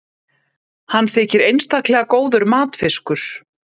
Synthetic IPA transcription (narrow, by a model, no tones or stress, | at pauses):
hanːθɪːcɪɾejnst̪ahklɛːɣakoːwðʏɾmaːt̪fɪskʏɾ̥